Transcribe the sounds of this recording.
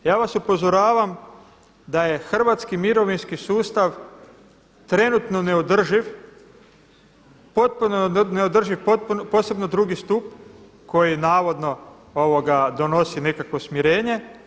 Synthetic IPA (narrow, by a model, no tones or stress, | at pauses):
jaːʋasupo̞zoɾaːʋam | d̪aje̞xr̩ʋat̪skimiɾo̞ʋinskisuːst̪aʋ | t̪ɾe̞nut̪no̞ne̞od̪r̩ʒiʋ | pot̪̚punoneod̪r̩ʒiʋpot̪̚pupo̞ːse̞bno̞d̪ɾuɡist̪up | ko̞jinaːʋo̞d̪no̞ | oʋo̞ɡad̪o̞no̞sine̞kakʋo̞smiɾeːɲe̞